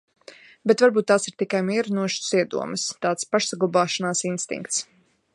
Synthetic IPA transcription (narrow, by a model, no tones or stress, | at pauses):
bet̪vaɾbuːt̪ːaːsiɾ̥t̪ikajmiɛɾunuɔʃu̥siɛd̪ṵɔməst̪aːt̪spaʃsaɡlˠabaːʃanaːsinst̪ḭŋkt̪s